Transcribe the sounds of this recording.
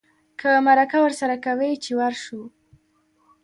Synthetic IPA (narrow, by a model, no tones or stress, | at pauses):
kʰəmaɾakawəɾsaɾakawəjt͡ʃewaɾʃu